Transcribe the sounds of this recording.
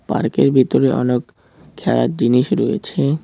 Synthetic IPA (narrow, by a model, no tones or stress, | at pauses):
pa̰ɾkeɾbʱit̪oɾeʔɔnek | kʰːɛla̰t̪̚d͡ʑiniʃɾojet͡ɕʰe